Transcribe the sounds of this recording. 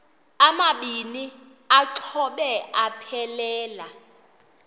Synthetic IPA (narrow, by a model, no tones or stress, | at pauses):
amaɓini | aǀʰɔɓɛapʰɛlɛːla